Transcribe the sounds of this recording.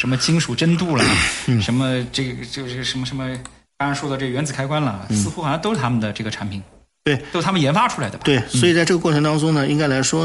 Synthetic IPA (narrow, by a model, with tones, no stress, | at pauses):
ʂə˧˥nmə˧t͡ɕʰi˥ŋʂu˨˩ʈ͡ʂə˥nt̪u˥˩lə˩n̩˥˩ʂə˧˥nmə˧ʈ͡ʂɤ˥˩ɡʈ͡ʂo˥˧˥ʂə˧˥nmə˧˩ʂə˧˥mə˧ | k̪ɑ˥ɻʂwɔ˥˩d̪ʈ͡ʂɤ˥˩ɡə˩ɥɛ˧˥nt͡sɹ̩˨˩kʰa˥ɪkwa˥nlə˨˩sɹ̩˥˧xu˥˨˩nɻɑ˧˥t̪o˥ʊ˩t̪ʰa˥mə˨nd̪ə˩ʈ͡ʂɤ˥˩ɡə˩ʈ͡ʂʰa˧˥npʰi˨˩˦ | t̪we˥˩ɪt͡ɕo˥ʊt̪ʰa˥mə˨njɛ˧˥nfa˥ʈ͡ʂʰu˥la˧˥ɪd̪ə˧˩t̪we˥˩ɪswɔ˧˥i˨˩t͡sa˥˧ʈ͡ʂɤ˥˩ɡə˩kwɔ˥˩ʈ͡ʂʰɤ˧˥ŋt̪ɑ˥ŋʈ͡ʂʊ˥ŋnə˨i˥ŋka˥ɪla˧˥ɪʂwɔ˥